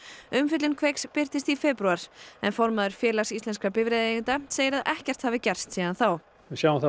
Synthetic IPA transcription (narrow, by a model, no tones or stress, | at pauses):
ʏmfɪt̪lɪnkʰvejkspɪɾ̥t̪ɪst̪ifɛpɾuaɾ̥ɛ̰nfɔɾmaðʏɾ̥fjɛːlasist̪lɛnskapɪvɾɛːðɪnt̪aseːjɪɾaðʔɛhcɛr̥t̪haːvɪcɛr̥st̪siːðanθaw | ɪsjaːwɪθa